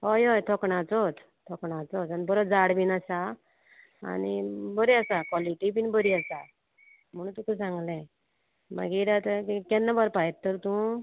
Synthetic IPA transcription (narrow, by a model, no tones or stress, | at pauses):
ɦɔjɔjt̪ʰɔkɳat͡sɔt̪ | t̪ʰɔkɳat͡sɔt̪anibəɾɔd͡zaɽbinasa | a̰nibəɾiasakwɔliʈibiːnbəɾiasa | m̤əɽũːt̪ukusãŋɡlɛ̃ | ma̰ɡiɾat̪əkkɛnːabaɾpajt̪ːəɾt̪ũ